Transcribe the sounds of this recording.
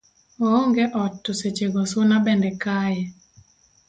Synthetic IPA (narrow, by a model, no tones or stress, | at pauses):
ooŋɡeʔɔtːoset͡ʃeɡɔsonabɛndɛkajɛ